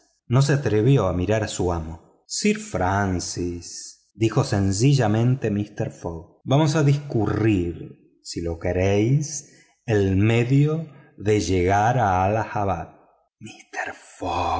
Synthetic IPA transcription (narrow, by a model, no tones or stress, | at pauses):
no̞s̬eat̪ɾeβjo̞amiɾaɾasuamo̞ | siɾfɾansis | d̪ixo̞se̞ns̬iʒamẽ̞nt̪emist̪eɾfoɣbamos̬aðiskuriɾ | silo̞keɾejs | elme̞ðjoðe̞ʒeɣaɾaːlaxaβat̪̚ | mist̪eɾfo